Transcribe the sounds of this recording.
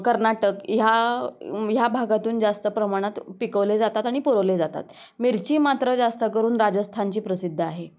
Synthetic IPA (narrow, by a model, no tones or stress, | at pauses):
kəɾnaʈəkja | jabʱaɡat̪uːnd͡zast̪əpɾəmaɽ̃at̪pikəʋled͡zat̪at̪aɽ̃ipuɾəʋled͡zat̪a̰t̪ | miɾt͡ɕiːmat̪ɾəd͡zast̪əkəɾuːnɾad͡zəst̪ʰaɲt͡ɕiːpɾəsid̪ʱːəaɦe